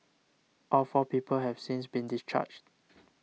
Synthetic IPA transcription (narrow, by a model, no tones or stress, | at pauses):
ʔɔfɔpiːpəlhɛv̥sĩnsbĩndist͡ʃa̰d͡ʒt